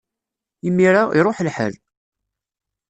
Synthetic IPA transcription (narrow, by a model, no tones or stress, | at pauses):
imːiɾaiɾˤoħlħə̰l